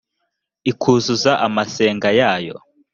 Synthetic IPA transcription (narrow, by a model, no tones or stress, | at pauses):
ikʰuːzuzaʔamase̞ːŋɡajaːjo̞̰